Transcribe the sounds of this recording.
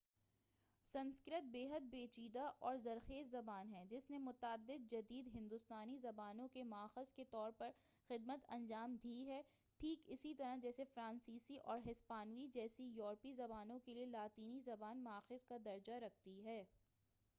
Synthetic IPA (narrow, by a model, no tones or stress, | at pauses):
sɐ̃nskɪɾət̪̚beːɦəd̪̚beːt͡ʃiːd̪aʔɔːɾzɐɾxeːzːɐbaːnɦɛd͡ʒɪsnemʊt̪ːd̪ːɪd̪̚d͡ʒɐd̪iːd̪ɦɪ̃nd̪ʊst̪aːnizɐbaːnõkemaːxɪzket̪ɔːɾpɐɾ | xɪd̪̚mət̪ɐ̰̃nd͡ʒaːmd̪ʱiːɦɛː | ʈʰiːkɪsit̪ɐɾad͡ʒɛːsefɾãːnsiːsiʔɔːɾɦɪspaːnʋid͡ʒɛːsijɔːɾpizɐbaːnõkelielaːt̪iːnizɐbaːnmɐaːxɪzkad̪ɐɾd͡ʒaɾɐk̚ʰt̪iɦɛː